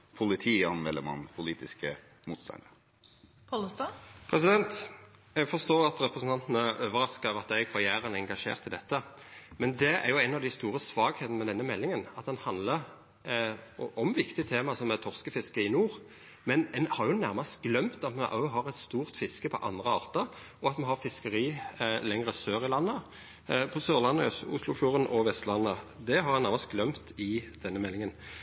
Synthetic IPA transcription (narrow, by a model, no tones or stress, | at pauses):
pʰʊlɪt̪ʰiːɑnmɛlːəmɑ̰npʰʊliːt̪ɪskə | muːt̪st̪ɑ̰nd̪ə | pʰɔlɔst̪ɑpʰɾɛsɪd̪ɛnt̪jɛɡfɔst̪oːɑt̪ʁɛpʁəsn̩t̪ʰɑnt̪ənəøːʋəɾɑskəʋɑt̪æɡfɔʁjæːɾənɛŋɡɑʂḛːʁt̪ɪld̪ɛt̪ːəmɛnd̪ɛæ̰ʁjʊæɪnɑʋd̪æɪst̪uːʁəsʋɑːɡheːt̪ənəmɛd̪ɛnːəmɛlːɪŋənɑt̪̚d̪ɛnhɑnd̪ləʁ | ʔɔmʋɪkt̪ɪt̪ʰeːmɑsɔmæt̪ʰɔʁskəfɪskəɪnuːʁ | mɛnɛnhɑʁjʊnæʁmɑst̪ɡlœmt̪ɑt̪mɛʔɑ̰ɦɑʁɛt̪st̪uːʁt̪fɪskəpʰɔ̰ʔɑ̰nd̪ʁəɑːʁt̪əɾ | ɔɑt̪mɛnhɑfɪskəɾiːlɛŋʁəsøːʁɪlɑnːə | pʰɔsøːʁlɑnːəʊslʊfluːʁənʔɔʋɛst̪lɑnːəd̪ɛɦɑɾhɛnæʁmɑst̪̚ɡlœmt̪ɪd̪̥ɛnːəmɛlːɪŋən